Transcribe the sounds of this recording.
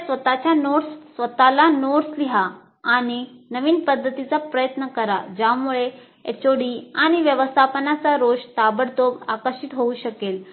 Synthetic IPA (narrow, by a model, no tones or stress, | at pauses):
sʋət̪at͡ɕjanoɽssʋət̪alanoɽsliɦaː | ɽ̃inəʋiːnpəd̪ʱːət̪it͡sapɾəjət̪nəkəɾa̰d͡ʑjamuɭe | ḛt͡ɕoɽiaɽ̃iʋjəʋəst̪ʰapənat͡saɾoɕt̪abəɽd̪obakəɾɕit̪ɦouɕəkel